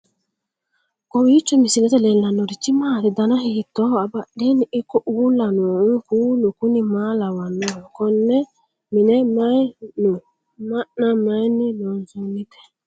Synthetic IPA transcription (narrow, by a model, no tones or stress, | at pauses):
kɔwiit͡ʃːɔmisinɛtɛlɛlːanoɾit͡ʃimaɾidanaɦihitːɔabaɗeniikːɔʔuwulanɔukulukunimalawanːɔkɔnːɛ | minɛmajnu | manamajninɔnzunːitɛ̥